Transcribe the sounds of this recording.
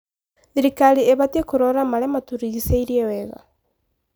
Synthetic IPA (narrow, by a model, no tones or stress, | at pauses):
ðiɾikaɾieβatiekuɾɔɾamaɾɛmatuɾiɣiseiɾiɛwɛɣa̰